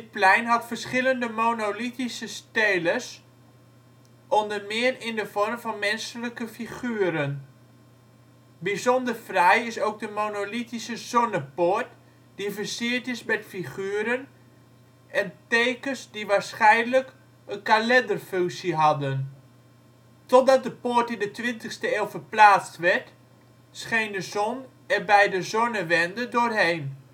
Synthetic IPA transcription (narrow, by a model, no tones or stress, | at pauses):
dɪt̚plɛjnɦɑtfərsχɪləndəmonolitisəsteːləs | ʔɔndərmɪərɪndəfɔrmfɔnmɛnsələkəfiχyːəɾən | bizɔndərfrɛjɪsoːk̚dəmoːnolitisəz̥onəpot | d̥ifərsɪətɪsmɛtfiχyːəɾən | ɛntejkəsdiʋaːɹsχɛjnələk | ənkalɛndərfʏŋksiɦɑdən | tɔt̚dɑt̚dəpoːɹtɪndətʋɪntəxstəeːlˠfərplaːt͡stʋɛɹt | sχejndəzɔn | ɛrbɛjdəzɔnəʋɛndədʊːrɦejn